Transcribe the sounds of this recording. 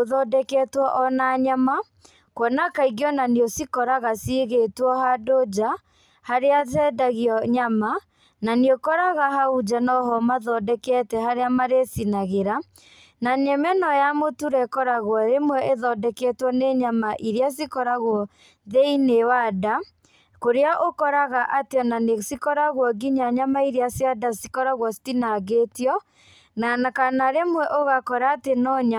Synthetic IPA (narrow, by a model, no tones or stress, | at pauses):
oðɔdɛkɛtwɔʔɔnaɲama | kwɔnakaiɣjɔnaniosikɔɾaɣasiɣetwɔhadod͡ʑa | haɾeatɛdaɣiɔɲama | naniokɔɾaɣaɦaud͡ʒanɔɦɔmaðɔdɛkɛtɛɦaɾeamaɾesinaɣeɾa | naɲɛmɛnɔjamotuɾɛkɔɾaɣwɔɾemwɛʔeðɔdɛkɛtwɔneɲamaʔiɾjas̬ikɔɾaɣwɔ | ðeinewada | koɾeaʔokɔɾaɣaʔateɔnanesikɔɾaɣwɔɡiɲaɲamaiɾeasjadasi̥kɔɾaɣwɔsi̥tinaɣetjɔ | nanakanaɾemwɛʔoɣakɔɾaːtenɔɲa